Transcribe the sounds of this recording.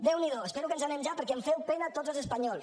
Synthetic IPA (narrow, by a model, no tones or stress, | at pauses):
d̪ewniðoespeɾukənzanemʒapəɾkɛeɱfɛwpɛnat̪od͡zzəlˠzəspaɲɔlˠs